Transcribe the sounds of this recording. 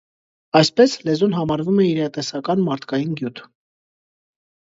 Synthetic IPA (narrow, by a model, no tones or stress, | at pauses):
ɑjspɛslɛzunɦɑmɑɾvumɛiɾɑt̪ɛsɑkɑnmɑɾt̪ʰkɑjinɡjut̪ʰ